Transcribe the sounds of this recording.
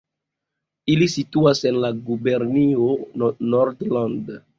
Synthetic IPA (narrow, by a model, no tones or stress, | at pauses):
ilisituasenlaɡubeɾnionoɾdland